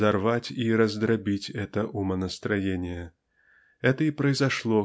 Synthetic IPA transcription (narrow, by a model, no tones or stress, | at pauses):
arvat͡sʲiɾɐzd̪ɾabʲit͡sʲɛt̪ɐʔumɐnɐst̪ɾajenʲjɐ | ɣɛt̪ɐipɾɐjzaʂlˠɔ